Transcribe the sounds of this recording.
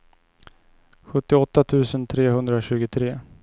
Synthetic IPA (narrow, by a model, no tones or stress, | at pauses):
ɧɵt̪ːɪɔt̪ːat̪ʰʉ̟ːsənt̪ʰɾeːɦɵnd̪ɾaɕʉ̟ːɡʊt̪ʰɾeː